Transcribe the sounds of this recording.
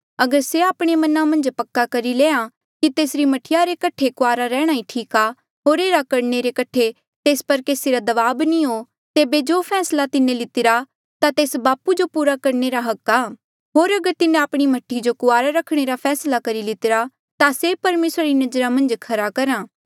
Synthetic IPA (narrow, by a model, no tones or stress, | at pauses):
ɐɡəɾseaːpɽ̃emɐnãmɐ̃nd͡ʒpɐkːakɐɾileːã | kit̪eːsɾimɐʈʰɪjaɾekɐʈʰekʊaːɾaɾɛ̃ːɽ̃aĩʈʰiːka | ɦoːɾeːɾakɐɾneɾekɐʈʰe | t̪eːspɐɾkeːsiɾad̪ɐʋaːbnĩɦoː | t̪eːbed͡ʒopʰɛːslat̪ɪnẽlɪt̪ɪɾa | t̪at̪eːsbaːpud͡ʒopuːɾakɐɾneɾaɦɐkːaː | ɦoːɾɐɡəɾt̪ɪnẽaːpɽ̃imɐʈʰːid͡ʒokʊaːɾaɾɐkʰɽ̃eɾapʰɛːslakɐɾilɪt̪ɪɾa | t̪asepɐɾmeːsɾaɾinɐd͡ʒɾamɐ̃nd͡ʒkʰɐɾakɐɾãː